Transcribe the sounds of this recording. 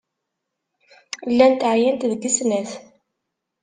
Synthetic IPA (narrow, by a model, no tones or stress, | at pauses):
lːænt̪ʕjænt̪ðəɡisnæθ